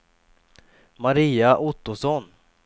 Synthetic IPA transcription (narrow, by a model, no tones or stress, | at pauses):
maɾiːaʔʊt̪ːʊsɔn